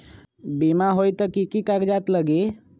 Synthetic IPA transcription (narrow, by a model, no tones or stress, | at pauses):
bimaɦojt̪ɔkikikakd͡ʒaːt̪ləɡe